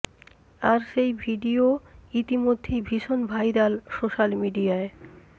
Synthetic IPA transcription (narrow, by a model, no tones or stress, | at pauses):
aɾʃejbʱiɖioit̪imod̪ʱːejbʱiʃonbʱajɾalʃoʃalmiɖiae